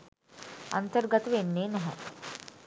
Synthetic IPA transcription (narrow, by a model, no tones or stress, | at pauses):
ɐ̰nt̪əɾɡət̪ʋeːnːenɐɦə̰̃